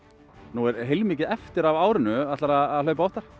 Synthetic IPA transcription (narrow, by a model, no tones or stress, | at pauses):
nuɛɾɦejlmiːcɪɛft̪ɪɾavaːwɾɪnʏat̪laɾaːðlœːɥpaɔht̪aɾ̥